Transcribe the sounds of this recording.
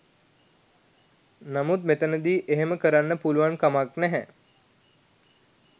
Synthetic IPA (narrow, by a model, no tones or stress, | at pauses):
namut̪̚met̪ənəd̪iːʔeɦeməkəɾanːəpuluʋankamaknɛɦɛ